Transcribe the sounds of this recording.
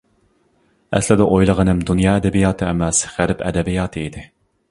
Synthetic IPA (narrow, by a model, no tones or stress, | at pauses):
ɛ̰slɪd̪ɛʔojlˠəʁənɨmd̪unjɑːɛd̪ɛbijɑːt̪ʰɨɛmɛsʁæɾpʰɛ̰d̪ɛbijɑːt̪ʰɨid̪ɪ